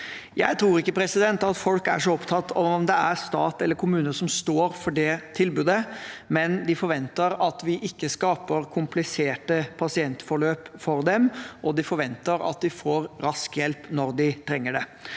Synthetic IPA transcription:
jæ̰ɪt̪ʰɾuːɾɪkːəpʰɾɛsɪd̪ɛnt̪ɑt̪fɔlkæ̰ʂɔɔpt̪ʰɑt̪ːɔmd̪ɛæɾst̪ɑːt̪ɛlːəɾkʰʊmʉːnəsɔmst̪oːɾfɔɖɛt̪ʰɪlbʉːd̪əmɛnd̪ɪfɔɾʋɛnt̪əɾɑt̪ʋɪʔɪkːəskɑːpəɾkʰʊmplɪseːʈəpʰɑsɪɛnt̪fɔɭøːpfɔɾd̪ɛmʔɔd̪ɪfɔɾʋɛnt̪əɾɑ̰t̪̚d̪ɪfoːɾɾɑskjɛlpnɔɾd̪ɪt̪ʰɾɛŋːəɖɛ

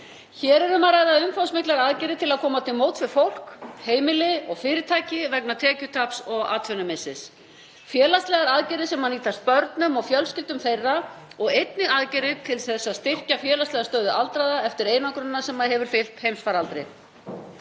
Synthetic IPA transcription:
çɛːɾɛɾʏmaɾaːjðaʏmfaw̪smɪklɛɣaaðcɛɾɪt̪ʰɪlaðkʰɔːmat̪ʰɪlmoːwt̪fɪɾ̥fowl̥kheːjmɪlɪɔɣfɪːɾɪt̪ʰaːjcɪvɛk̚nat̪ʰɛːcʏt̪ʰapsɔɣaːt̪ʰfʏnʏmɪsːɪs | fjɛːlast̪lɛɣaɾaðcɛɾɪsɛmhaniːt̪ast̪̚pœɾt̪nʏmɔɣfjœlscɪlt̪ʏmθejrːaɔɣejt̪̚nɪɣaðcɛɾɪt̪ʰɪlθɛsːaðst̪ɪr̥cafjɛːlast̪ɛɣast̪œːɥðʏʔalt̪ɾaðaɛft̪ɪɾejnakɾʏnnːasɛmːaðɦɛvʏɾ̥fɪl̥t̪hejmsfaɾalt̪ɾe

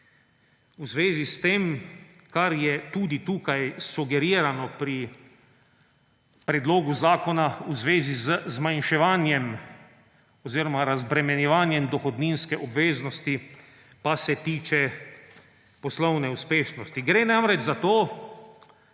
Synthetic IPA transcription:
uzʋeːzist̪eːm | kaɾjɛt̪uːd̪it̪uːkajsuɡɛɾiːɾanɔpɾi | pɾɛd̪loːɡuzaːkɔnauzʋeːzizəzmajnʃɛʋaːnjɛm | ɔziːɾɔmaɾazbɾɛmɛnjɛʋaːnjɛmd̪ɔxɔd̪ninskɛʔɔbʋeːznɔst̪i | pasɛt̪iːt͡ʃɛ | pɔslɔwnɛuspeːʃnɔst̪iɡɾeːnamɾɛd͡ʒzat̪oː

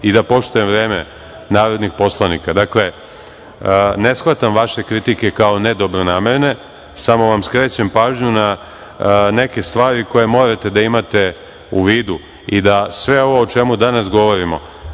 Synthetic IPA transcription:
id̪apo̞ʃt̪ujemʋɾe̞ːme | naːɾo̞d̪nixpo̞slˠanikad̪akle̞ | ne̞sxʋat̪amʋaʃe̞kɾit̪ike̞kao̞ned̪o̞bɾonaːme̞ɾne̞ | samo̞ʋamskɾe̞ːt͡ɕempaːʒɲuna | ne̞ke̞st̪ʋaːɾiko̞je̞mo̞ːɾat̪e̞d̪aimat̪e̞ | uʋiːd̪u | id̪asʋe̞o̞ʋo̞ːt͡ʃe̞mud̪anasɡo̞ʋo̞ɾimo̞̰

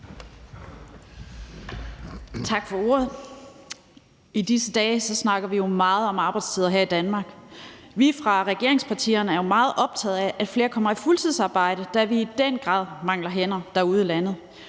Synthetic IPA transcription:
t͡sʰɑ̈ɡ̥fɒ̽o̝̰ːɐð̩ˠ | id̥isəd̥ɛːsɒ̽snɑ̈ɡ̥ɐʋijo̝mɑ̈ːð̞̩ˠɒ̽mɑ̈ːb̥ɑ̈ɪdst͡sʰiðˠɐɦe̝ɐ̰id̥ænmɑ̈ːɡ̥ʋifʁɑ̈ʁɛɡ̥e̝ɐe̝ŋspʰɑ̈t͡sʰḭːɐnəæɐjo̝mɑ̈ːð̩ˠʔɒ̽b̥̚t͡sʰɛ̰ð̞̩ˠæʔæd̥fle̝ːɐkʰɒ̽m̰ɐifult͡sʰið̰ˠsɑ̈ːb̥ɑ̈ɪ̰ɾəd̥æʋiːd̥en̰ɡ̥ʁɑ̰̈ːð̰ˠmɑ̈ŋ̰lɐɦen̰ɐd̥ɑ̈uð̞ˠəlænð̞̩ˠ

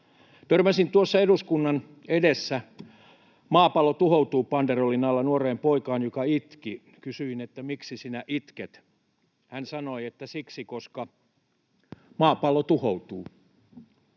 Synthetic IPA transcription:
t̪ørmæsint̪uosːɑeduskunːɑn | edesːæ | mɑːpɑlot̪uhout̪uːpɑnd̪erolinɑlːɑnuoreːmpoikɑːnjokɑit̪ki | kysyinet̪ːæmiksisinæʔit̪ket̪ | hænsɑnoiet̪ːæsiksikoskɑ | mɑːpɑlot̪uhout̪uː

